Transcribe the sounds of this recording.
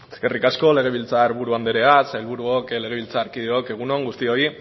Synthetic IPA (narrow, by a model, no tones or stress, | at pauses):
eske̞rikasko̞le̞ɣ̞e̞βilt͡saeɾβuɾuand̪eɾe̞asajlβuɾuokle̞ɣ̞e̞β̞ilt͡saːɾkiðeoke̞ɣ̞uno̞ŋɡust̪io̞i